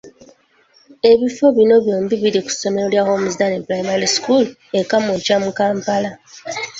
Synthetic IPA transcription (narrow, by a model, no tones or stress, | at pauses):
e̞βifo̞βino̞βjo̞ːmbiβiɾiku̥so̞me̞ɾo̞ljaho̞muzdaneplajmaliskul | ekamucamukaːmpala